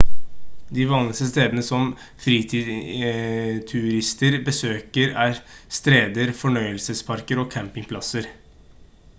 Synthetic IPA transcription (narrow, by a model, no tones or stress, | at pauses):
d̪ɪʋɑːnlɪst̪əst̪eːd̪ənəsɔm | fɾiːt̪ʰiːd̪ | t̪ʰʉɾɪst̪əɾbəsøːkəɾæːɾst̪ɾeːd̪əɾfɔɳœʏəlsəspʰɑɾkəɾɔkʰæmpɪŋpʰlɑsəɾ